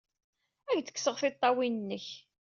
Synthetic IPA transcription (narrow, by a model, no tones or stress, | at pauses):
æʝd̪ə̥kːsəʁθɪt̪ˤːɑwinənːəç